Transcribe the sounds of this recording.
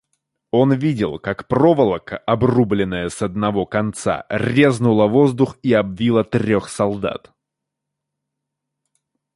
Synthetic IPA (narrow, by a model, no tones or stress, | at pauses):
o̞nvʲidʲɪlˠkakpro̞vəlˠəkəʔɐbrublʲɪnːəjəsɐd̪̚nɐvo̞kɐnt̪sa̰rʲe̞znʊlˠəvo̞zd̪ʊxiɐbvʲilˠət̪ɾʲo̞xsɐlˠd̪a̰t̪